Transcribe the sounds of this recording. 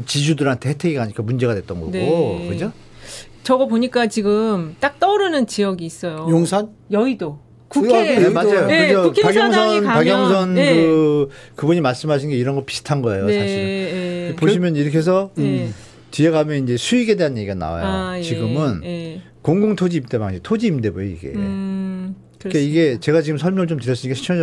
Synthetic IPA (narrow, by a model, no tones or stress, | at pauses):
t͡ɕid͡ʑudɯɾɦantʰe̞hetʰeɡiɡaɲik͈amund͡ʑe̞ɡadwet͈ʌnɡʌ̰nokɯd͡ʑo | t͡ɕʌɡʌpoɲik͈at͡ɕiɡɯmt͈ak̚t͈ʌɾɯnɯnt͡ɕijʌɡiːs͈ʌjojoŋsʰan | jʌido | kuemad͡ʑajoɯʌaɡjʌŋsʰʌnpaɡjʌŋsʰʌnkɯ | kɯbuɲimaɭs͈ɯmɦaɕ̬ʰinɡe̞iɾʌnɡʌɭpi̥sʰtʰanɡʌejosʰaɕʰiɾpoɕimjʌniɾʌkʰe̞s̬ʰʌ | t͡ɕieɡamjʌnind͡ʑe̞sʰuiɡe̞de̞ɦanje̞ɡiɡana̰wa̰jo̰t͡ɕiɡɯmɯne | koŋɡoŋtʰod͡ʑiːmt͈ema̰ŋɕʰitʰod͡ʑiːmde̞bojoḭɡe̞̰ | kaiɡe̞t͡ɕe̞ɣat͡ɕiɡɯmsʰʌɭmʌŋɭt͡ɕomtɯɾjʌs͈ɯɲikeɕʰit͡ɕʰʌ